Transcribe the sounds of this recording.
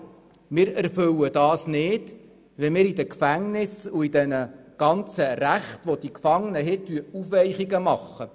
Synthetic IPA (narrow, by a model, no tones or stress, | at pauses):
mɪːɾæɾfɵwəd̥ɑːsnɪːd̥ | ʋɪlmɪːɾidəkfæŋnɪsuid̥ɛnəɡ̥ɑnt͡səɾæχtʋod̥̪ikfɑŋənəɦɪt̪ːyufʋɛjχiɡəmɑχːə